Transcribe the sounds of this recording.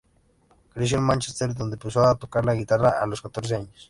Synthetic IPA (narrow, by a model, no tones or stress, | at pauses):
kɾis̬jonmant͡ʃest̪eɾd̪ond̪epesoat̪okaɾlaɣit̪araʔaloskat̪oɾs̬eaɲos